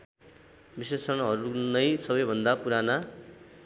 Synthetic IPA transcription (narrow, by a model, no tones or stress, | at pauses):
bisesʌñʌɦʌɾunʌjsʌbʌjbʱʌnd̪apuɾana